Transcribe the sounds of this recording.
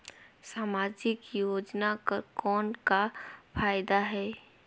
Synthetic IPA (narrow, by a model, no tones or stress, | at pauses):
saːmaːd͡ʒɪkjoːd͡ʒnakkɔːnkapʰaːjd̪aɦɛː